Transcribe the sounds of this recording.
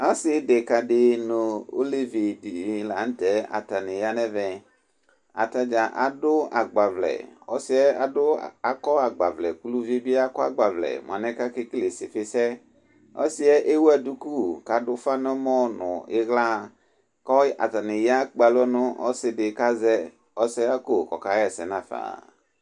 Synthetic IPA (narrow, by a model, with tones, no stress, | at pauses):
a˦sɪ˨˦de˨ka˨dɪ˨no˨o̰˦le˦vi˨di˨la˨n̩˦tɛ˨a̰˨ta˨nɪ˨ja˦nɛ˦vɛ˨ | a̰˨ta˦d͡ʒa˨ʔa̰˨dʊ˦a˨ɡ͡ba˨vlɛ̰˨ɔ˦sɪ˦ɛ˦a̰˨dʊ˦a˨kɔ˦a˨ɡ͡ba̰˨vlɛ̰˨ku˦lu˦vi˦bi˦a˦kɔ˦a˦ɡ͡ba˨vlɛ̰˨m˨a˨nɛ̃˦ka˦ke˦kle˨sɪ˨fɪ˦sɛ˦ | ɔ̰˦si˦ɛ˦ʔe˦wu˦a˨du˦ku˦ka˨dʊ˦fa˦nɔ˦mɔ̃˦nʊ̰̃˨ɪ˦ɣla˦ | kɔ˦ʔa̰˨ta˨nɪ˨ja˦k͡pa˨lɔ˦nʊ̃˦ʔɔ̰˦sɪ˨dɪ˨ka˦zɛ˦ | ɔ˦sɛ˦a˦ko˦˨kɔ˨ka˨˦jɛ˦˨sɛ˨nã˦fa̰˨